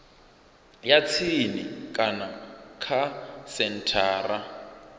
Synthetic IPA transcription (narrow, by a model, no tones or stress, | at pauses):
jat͡sʰinikʼanakʰasɛn̩tʰaːra